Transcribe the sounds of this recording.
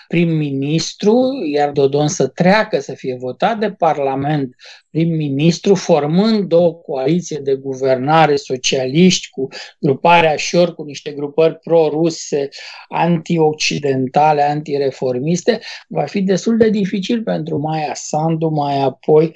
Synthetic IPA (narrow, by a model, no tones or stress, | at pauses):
pɾimːinist̪ɾujard̪o̞d̪o̞nsət̪ɾeakəsəfije̞vo̞t̪at̪̚d̪e̞parlame̞nt̪̚pɾimːinist̪ɾufo̞rmɨnd̪d̪o̞wəko̞alit̪sied̪e̞ɡuve̞rnaɾe̞so̞t͡ʃialiʃt̪ʲkuɡ̥ɾupaɾeaʃo̞rkuniʃt̪e̞ɡɾupərʲpɾo̞ɾuse̞a̰nt̪io̞k̚t͡ʃid̪e̞nt̪ale̞ant̪iɾe̞fo̞rmist̪e̞vafid̪e̞st̪uld̪e̞d̪ifit͡ʃilpe̞nt̪ɾumajasand̪umajapʰo̞j